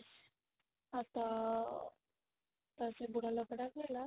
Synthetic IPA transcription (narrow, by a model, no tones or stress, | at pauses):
at̪a | t̪əsebuɽaləkɽakela